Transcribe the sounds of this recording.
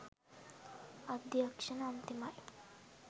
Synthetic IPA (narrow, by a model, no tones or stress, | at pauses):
ɐd̪jɐkʂɐnɐːnt̪imaj